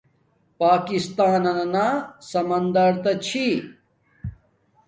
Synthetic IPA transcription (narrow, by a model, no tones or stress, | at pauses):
paːkist̪aːnɐnɐnaːsɐmɐnd̪ɐɾt̪ɐt͡ɕʰi